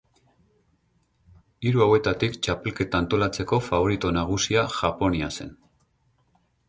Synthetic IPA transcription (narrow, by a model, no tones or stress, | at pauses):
iɾuawe̞t̪at̪ikt͡ʃape̞lke̞t̪aːnt̪o̞lat͡se̞ko̞faβo̞ɾit̪o̞naɣ̞usiaʝapo̞niase̞̰n